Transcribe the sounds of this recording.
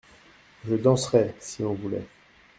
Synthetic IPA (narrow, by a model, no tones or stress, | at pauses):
ʒəd̪ɑ̃sʁɛsiɔ̃vulɛ̰